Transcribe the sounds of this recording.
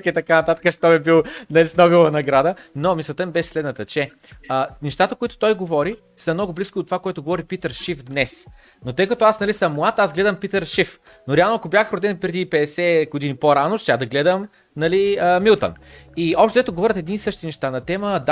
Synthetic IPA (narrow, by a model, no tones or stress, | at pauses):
kɛt̪ɐkanɐt̪at̪ə̥kəʃt̪ɔmibilˠnɐlisnovilˠɐnɐɡɾad̪ənomislˠɐt̪əmibɛʃɛ̥slɛd̪nət̪ɐt͡ʃɛ | ənɛʃt̪at̪əkoit̪o̥t̪ɔjɡovɔɾi | sɐmnɔɡʊbliskʊoot̪ːovakoɛt̪ʊɡovɔɾipit̪əɾʃifd̪nɛs | not̪ɤjkɐt̪oasnɐlisɐmːʊat̪azɡlɛd̪əmpit̪əɾʃif | noɾɛalˠnoɐkobʲjaxɾod̪ɛnpɾɛd̪ipɛd̪ɛsɛɡod̪inipoɾanoʃt̪jad̪ɐɡlɛd̪əm | nɐliəmilˠt̪ə̰niɔpʃt̪d̪ɛt̪oɡovɔɾʲət̪ɛd̪niisɤʃt̪inɛʃt̪anɐt̪ɛməd̪